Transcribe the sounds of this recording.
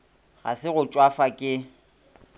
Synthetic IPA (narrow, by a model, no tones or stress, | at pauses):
ɣa̰sɪɣʊt͡ʃʼwafakʼɪ